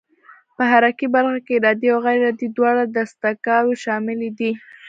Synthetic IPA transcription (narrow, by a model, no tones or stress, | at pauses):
pəɦaɾakibaɾxakeːɾɑd̪iawɣaɾeɾɑd̪id̪wɑɽad̪ast̪akɑɾeʃɑmɪled̪i